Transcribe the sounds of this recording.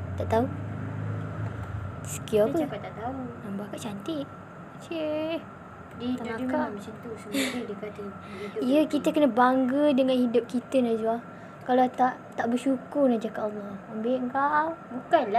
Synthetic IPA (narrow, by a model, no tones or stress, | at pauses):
t̪aʔt̪au | sə̥kiapəkat̪aʔt̪aunambakaʔt͡ʃant̪iʔ̚ | t͡ʃe | dit̪ad͡ʒukamət͡ʃant̪usəmaɾidiəkat̪a | iʊiəkit̪əkənə̃baŋɡədəŋanhidʊp̚kit̪ənazua | kalat̪aʔt̪aʔbəʃukʊrnahd͡ʒakaʔɑlːɔambeʔŋkaʔbukanla